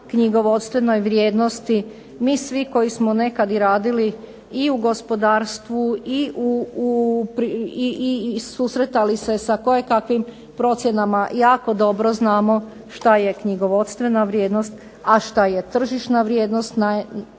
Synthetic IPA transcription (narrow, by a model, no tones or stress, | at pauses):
kɲiɡo̞ʋo̞t̪st̪ʋe̞no̞jʋɾje̞ːd̪no̞st̪i | miːsʋiko̞jismone̞kad̪iɾaːd̪ili | iuɡo̞spo̞d̪aːɾst̪ʋuiʔu | pɾ | susɾet̪alise̞sako̞jekakʋim | pɾo̞t̪sʲje̞namajaːko̞d̪o̞bɾo̞znaːmo̞ | ʃt̪aje̞kɲiɡo̞ʋo̞t̪st̪ʋe̞naʋɾjeːd̪no̞st̪ | aʃt̪aje̞t̪r̩ʒiʃnaʋɾjeːd̪nost̪na